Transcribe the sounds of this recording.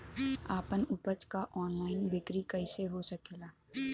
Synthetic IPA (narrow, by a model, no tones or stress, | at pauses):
aːpənʊpət͡ʃkaʔɔːnlaːɪnbɪkɾikɐɪseɦosɐkeːlaː